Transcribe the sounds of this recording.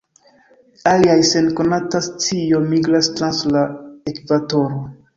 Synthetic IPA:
aliajse̞nko̞natasit͡siomiɡɾastɾanslaekvato̞ɾo

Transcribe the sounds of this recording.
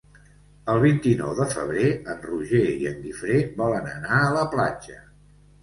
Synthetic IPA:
əlˠβint̪inɔ̰wðəfə̰β̞ɾeənruʒeiəŋɡifɾeβɔlənənaələpla̰d͡ʒə

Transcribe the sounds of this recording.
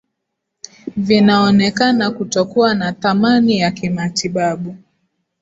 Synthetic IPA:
vinaɔnɛkanakutɔkuwanaθamanijakimatiɓaɓu

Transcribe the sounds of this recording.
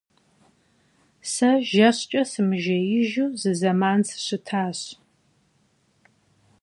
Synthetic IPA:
sɐʒɐɕt͡ʃʼɐsɨmɨʒɐjɪʒuːzɨzɐmaːnsɨɕɨtʰaːɕ

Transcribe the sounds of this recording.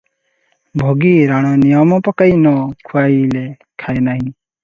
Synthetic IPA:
bʱoɡiɾaɽ̃ɔnijɔmɔpakajnɔkʰuajlɛ | kʰajnaɦĩ

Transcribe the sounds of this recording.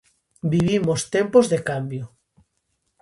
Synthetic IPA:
biβimost̪empozðekambjʊ

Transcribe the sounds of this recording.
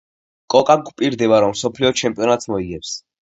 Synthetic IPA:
kʼɔkʼaɡpʼiɾd̪ɛvaɾɔmsɔpʰliɔt͡ʃʰɛmpʼiɔnat̪smɔiɡɛps

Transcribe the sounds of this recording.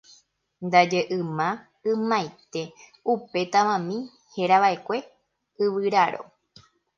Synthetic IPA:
nd̪ad͡ʒeʔɨmã | ɨ̃mãjt̪e̞upe̞t̪aʋãmĩ | he̞ɾaʋaʔekʷe̞ | ɨʋɨɾaɾo̞̰

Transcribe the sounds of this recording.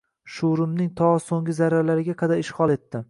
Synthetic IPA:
ʃuɾɪmnɪŋt̪ʰɒsoŋɡʲɪzaɾalaɾɪɡʲaqʰɑd̪aɾɪʃhɒlˠe̞t̪ːɪ

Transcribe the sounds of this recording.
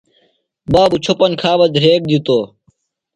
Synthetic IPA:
baːbut͡ɕʰopɐnkʰaːbɐd̪ɾeːk̚d̪it̪oː

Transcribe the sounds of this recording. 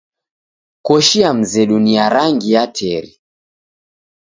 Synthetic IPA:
kɔʃiam̩zɛɗuniaɾaŋɡijatʰɛɾi

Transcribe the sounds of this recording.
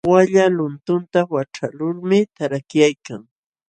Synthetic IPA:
waʎalʊnt̪ʊnt̪awaʈ͡ʂalʊɾmɪt̪aɾakjajkaŋ

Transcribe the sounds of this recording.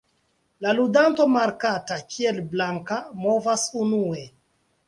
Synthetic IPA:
laludanto̞maɾkatakʰie̞lblaŋkamo̞vasunue̞

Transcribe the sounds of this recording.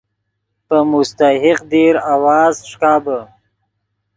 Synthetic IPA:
pəmʊst̪ahɪqd̪eɾawɑːzʂkɑːbə

